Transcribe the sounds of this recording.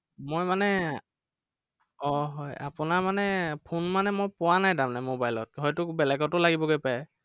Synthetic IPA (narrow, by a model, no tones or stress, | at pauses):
mojmanɛ | ɔɦɔja̰pʊnaɹmanɛpʰonmanɛmojpʊwanajdamnamobajlɔt̚ɦɔjtʊbɛlɛɡɔtʊlaɡibɔɡojpajɛ